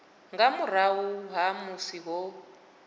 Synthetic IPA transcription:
ŋɡamur̤awuɦamusiɣɔ

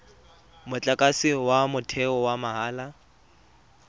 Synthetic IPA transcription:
mʊt͡ɬʼakʼasɪwamʊtʰɛɔwamaɦaːla

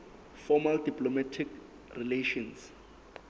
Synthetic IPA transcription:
fɔmaldipʼlomatʰik | rileʃɔns

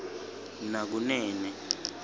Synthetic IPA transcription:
nak̬unɛːnɛ

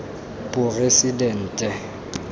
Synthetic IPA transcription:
pʼʊresidɛn̩ːtʼɛ

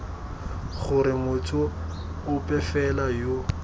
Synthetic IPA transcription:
χʊɾɪmʊtʰʼʊː | pʼɛfɛlajo

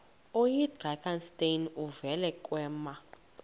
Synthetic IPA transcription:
ojid̥raɡanstʼejnuvɛlɛkʼwɛːma

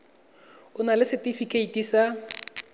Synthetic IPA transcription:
kʊnalɪsɪtifikʼeitisa

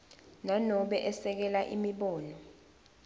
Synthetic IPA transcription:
nanɔɓɛʔɛsɛk̬ɛlaʔḭmiɓɔːnɔ

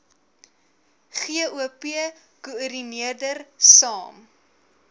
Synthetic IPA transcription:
χiəuəpiə | kuəɾiniərdərsɑːm

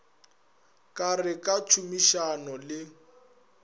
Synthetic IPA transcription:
kʼarɪkʼat͡ʃʰumiʃanɔlɪ

